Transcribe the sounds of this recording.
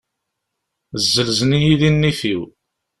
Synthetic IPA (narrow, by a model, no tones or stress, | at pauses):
zːəlzənijiðinːiθiw